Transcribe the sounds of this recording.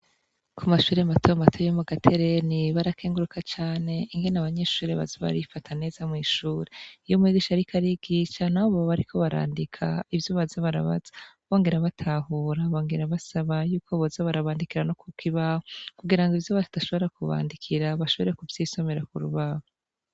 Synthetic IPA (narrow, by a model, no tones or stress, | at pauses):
kʰumaʃuːɾematʰomatʰojomuɡatʰe̞ɾe̞niβaɾakʰeːŋɡuɾukʰat͡ʃaːne̞iŋɡe̞naβaɲe̞ʃuːɾeβa̰zoβa̰ɾifatʰane̞ːzamŋiːʃuːɾeijomwiːɡiʃaɾikʰaɾiɡiʃanahoβoβaβaɾikʰo̞βaɾa̰ːndikʰa̰ivjoβazaβaɾa̰βa̰z̥ḁβo̞ːŋɡe̞ɾaβatʰaːhuːɾaβo̞ːŋɡe̞ɾaβasaβajuːkʰoβozaβaɾaβaːndikiɾanokukʰiβaːhokuɡiɾaŋɡivjoβazi̥daʃo̞βo̞ɾakuβa̰ːndikʰiɾaβaʃoβoɾekuvjiːso̞me̞ɾakuɾṵβaːho